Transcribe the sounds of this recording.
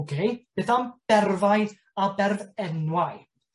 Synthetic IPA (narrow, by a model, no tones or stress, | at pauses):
ɡejb̥eθamb̥ɛrvajð | abɛrvɛnwaj